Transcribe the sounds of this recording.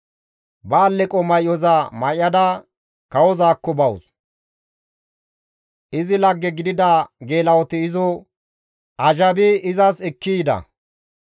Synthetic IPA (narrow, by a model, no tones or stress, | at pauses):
baːlːɛkʼɔmɐjɔzamɐjɐd̪ɐ | kɐwɔzaːkːɔbɐwʊs | ʔɪzɪlɐɡːɛɡɪd̪ɪd̪ɐɡe̞ːlɐwɔt̪ɪɪzɔ | ʔɐʒɐbɪɪzɐsɛkːiːd̪ɐ̰